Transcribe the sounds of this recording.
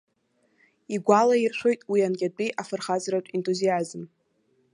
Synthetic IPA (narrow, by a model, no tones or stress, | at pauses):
iɡʷalairʃʷojtʼwianɡʲʼat͡pʼiʔafɨrχazratʷʼintʼuziazɨm